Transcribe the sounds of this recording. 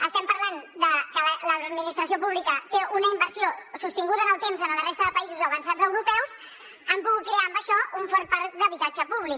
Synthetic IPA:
əst̪ɛmpəɾland̪əkələləd̪minist̪ɾəs̬iopuβlikət̪eunəimbəɾsiosust̪iŋɡuðənəlˠt̪emzənlərest̪əðəpəizuzəβənsad͡zəwɾupɛws | əmpuɣut̪̚kɾeaəmbəʃɔuɱfɔɾt̪̚paɾd̪əβit̪ad͡ʒəpuβlik

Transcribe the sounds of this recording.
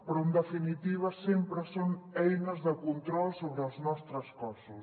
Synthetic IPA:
pɾɔend̪efinit̪iβ̞ɐsempɾəsoŋɛjnɐzðəkunt̪ɾɔlsoβɾəaznɔst̪ɾɐskɔsʊs

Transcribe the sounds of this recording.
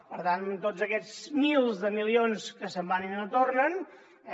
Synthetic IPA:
pəɾt̪ant̪od͡zəkɛd͡zmilˠzðəmilionskəsəmbaninnət̪ornən

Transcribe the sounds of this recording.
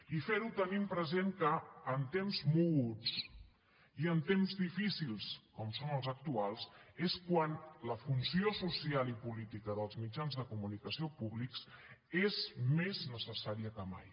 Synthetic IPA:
ifeɾut̪ənimpɾəzeŋkəːnt̪emzmuut͡s | iənt̪emzðifisilˠskɔmsonəlˠzək̚t̪ualˠseskwanləfunsiosusialipulit̪ikəðəlˠzmid͡ʒanzðəkumunikəsiopuβliksezmeznəsəsaɾiəkəma̰j

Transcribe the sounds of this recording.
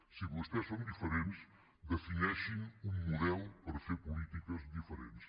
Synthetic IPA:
siβust̪ɛssõnd̪ifəɾẽns | d̪əfinɛʃiŋuŋːuðɛlˠpɐɾɐfeɾpulit̪ikɐzðifəɾḛns

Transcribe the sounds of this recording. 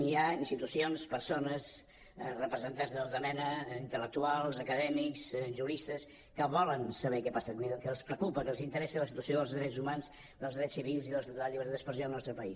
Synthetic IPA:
niainst̪it̪usionspəɾsonəz | rəpɾəzənt̪anzðət̪ot̪əmɛnəint̪ələk̚t̪ualˠzəkəðɛmiksʒuɾist̪əs | kəβɔlənsəβɛkɛpasəkiðəkəlspɾəkupəkəlˠzint̪əɾɛsiləsit̪uəsioðəlˠzðɾɛzumanz | d̪əlˠzðɾɛsiβilˠziðəd̪ələʎiβəɾt̪ad̪ə̥spɾəsjoðlˠnɔst̪ɾəpəis

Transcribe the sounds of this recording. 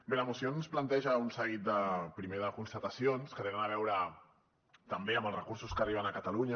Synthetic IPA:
beləmusionsplant̪ɛʒəunsəɣit̪̚d̪əpɾimeðəkunst̪ət̪əsionskət̪enənaβ̞ɛwɾə | t̪əmbeəmbəlˠsrəkuɾsuskəriβ̞ənəkət̪aluɲə

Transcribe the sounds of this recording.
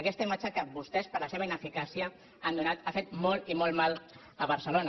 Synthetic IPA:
əkɛst̪əimat͡ʃəkəbust̪ɛspəɾləseβəinəfikasiə | and̪unat̪afet̪mɔlimɔlmal | əβəɾsəlonə

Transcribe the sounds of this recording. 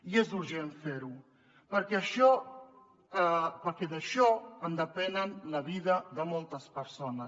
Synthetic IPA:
iezuɾʒenfeɾu | pəɾkɛəʃɔ | əpəɾkɛðəʃɔənd̪əpɛnənləβiðəðəmɔlˠt̪əspəɾsonə

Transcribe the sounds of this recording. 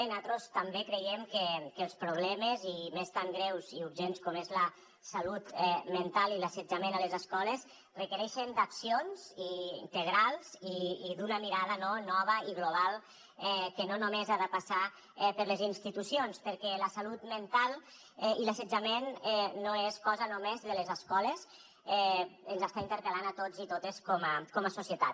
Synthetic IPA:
enat̪ɾost̪ambekɾejemkekəlˠspɾuβ̞lɛməzimest̪aŋɡɾɛwziuɾʒenskɔmezlə | salut̪ɛment̪alˠilased͡ʒamenalezeskɔles | rəkəɾɛʃend̪aksionziḭnt̪əɣ̞ɾalˠziiðunəmiɾaðənonɔβ̞əiɣloβ̞alˠ | ɛkənonumezaðəpasa | ɛpəɾləzinst̪it̪usionspəɾkɛləsalut̪mənt̪alˠ | ilasəd͡ʒamenɛːoeskɔzənomezðələzəskɔlez | ɛənzast̪aint̪əɾkəlanat̪od͡zit̪ot̪eskɔməkɔməsusjət̪a̰t̪

